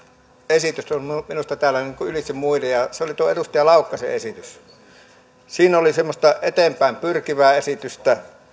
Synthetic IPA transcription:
esit̪ysomminust̪ɑt̪æːlːˑæniːŋkuylisimuilejɑseolit̪uoeerust̪ɑjɑlɑˑukːˑɑsḛʔesit̪ys | siːnolisemːost̪ɑʔet̪empæˑempyrkiʋæːesit̪yst̪æ

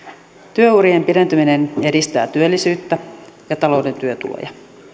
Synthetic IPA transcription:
t̪yøuɾiempiɾe̞nt̪yminene̞dist̪æ̰ːt̪yølːisyːt̪ːæjɑt̪ɑlo̞ude̞nt̪yøt̪ṵlo̰jɑ

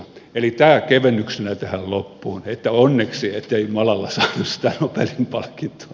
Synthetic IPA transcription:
elit̪æːkeʋenːyksenæt̪ehællopːuːnet̪ːæonːeksiet̪ːeimɑlɑlːɑsɑːnussi̥t̪ænopelimpɑlkːint̪o̥ɑ

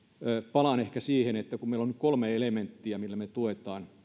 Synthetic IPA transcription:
pɑlɑnehkæsiːhenet̪ːækummeilːonykkolmeelement̪ːiæmilːæmet̪uet̪ɑːn

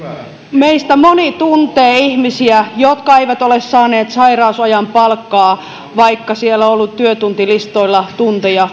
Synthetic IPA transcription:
meist̪æmonit̪unt̪eːihmisiæjot̪kɑeiʋæt̪olessɑːneːt̪sɑirɑusɑjɑmpɑlkːɑː | ʋɑikːɑsielːoolːut̪t̪ːyøt̪unt̪ilist̪oilːɑt̪unt̪ejɑ

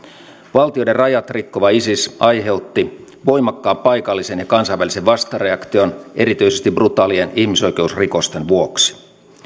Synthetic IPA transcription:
ʋɑlt̪iojde̞rrɑjɑt̪rikːoʋɑisisɑjɦe̞ut̪ːi | ʋo̞jmɑkːɑːppɑjkɑlːise̞njɑkɑnsɑjʋælise̞ʋʋɑst̪ɑre̞ɑkt̪io̞ne̞ɾit̪yisest̪ibrut̪ɑːlienihmiso̞jk̟e̞usriko̞st̪enʋuoksi̥

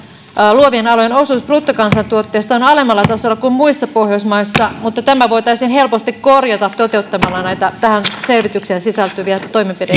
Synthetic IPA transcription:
luoʋienɑlojenosuːsprut̪ːokɑnsɑnt̪uot̪ːeːst̪ɑonɑlemːɑlːɑt̪ɑsolːˑɑkummuisːɑpohjosmɑisːɑmut̪ːɑt̪æmæʋo̞it̪ɑisiːnɦe̞lpost̪ikkorjɑt̪ɑt̪t̪ot̪e̞ut̪ːɑmɑlːɑnæit̪æt̪æhænse̞lʋit̪ykseːnsisælt̪yʋiæt̪o̞imepide

